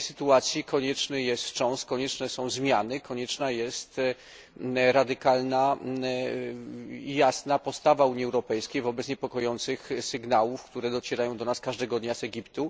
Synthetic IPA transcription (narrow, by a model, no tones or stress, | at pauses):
jsɘt̪uat̪sʲjikɔɲɛt͡ʂnɘjɛst̪t͡ʂɔ̃w̃st̪kɔɲɛt͡ʂnɛsɔ̃w̃zmʲjanɘkʰɔɲɛt͡ʂnajɛst̪ | ɾad̪ɘkalna | jasnapɔst̪avauɲiɛwɾɔpɛjskʲejvɔbɛt̪sɲɛpɔkɔjɔnt̪sɘxsɘɡnawufkt̪uɾɛd̪ɔt͡ɕɛɾajɔ̃w̃d̪ɔnaskaʐd̪ɛɡɔd̪ɲazɛɡʲipt̪u